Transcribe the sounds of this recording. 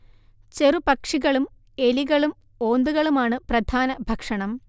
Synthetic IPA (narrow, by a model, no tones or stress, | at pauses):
t͡ɕe̞rupɐkʂiɣɐɭum | e̞liɣɐɭum | o̞ːnd̪uɣɐɭumaːɳɨprɐd̪ʱaːnɐbʱɐkʂɐɳɐm